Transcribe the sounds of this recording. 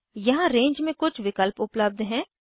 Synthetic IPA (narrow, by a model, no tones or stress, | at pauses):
jɐɦãɾẽːɲd͡ʒmẽkʊt͡ʃʰʋɪkəlpʊpləb̚d̪ɦɛ̃ː